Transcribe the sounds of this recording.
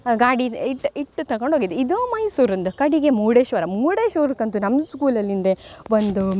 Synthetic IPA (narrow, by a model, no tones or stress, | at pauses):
ɡaːɽiiʈːiʈːut̪ɐɡoɳɖʱoːɡid̪eid̪omɐjsuːɾɐnd̪ukɐɽiɡe̞muːɽeːʃʋɐɾɐmuːɽeːʃʋoːɾukɐnt̪unɐmd̪uskuːlɐlːind̪eʋond̪u